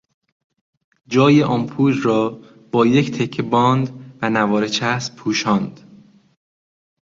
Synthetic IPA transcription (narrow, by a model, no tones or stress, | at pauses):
d͡ʒɒːjeʔɒːmpʰuːd͡ʒrɒː | b̥ɒːject̪ʰekʰːebɒːnd̪vænævɒːɾet͡ʃʰæspʰuːʃɒːnd̪̥